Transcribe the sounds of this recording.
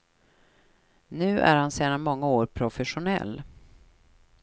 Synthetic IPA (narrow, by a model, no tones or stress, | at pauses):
nʉ̟ːʔæ̰ɾhanseːd̪anmɔŋːaoːɾpʰɾʊfɛɧʊnɛ̰lː